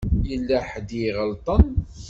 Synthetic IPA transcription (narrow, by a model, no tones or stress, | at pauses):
jəlːæħd̪jiʁəlt̪ˤən